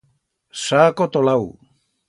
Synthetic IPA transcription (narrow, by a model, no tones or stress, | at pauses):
sakot̪olaw